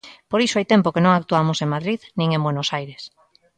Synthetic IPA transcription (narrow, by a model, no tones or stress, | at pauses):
poɾisoajt̪ẽmpokenõŋak̚t̪uamoseŋmaðɾiðnĩŋẽmbwenosajɾes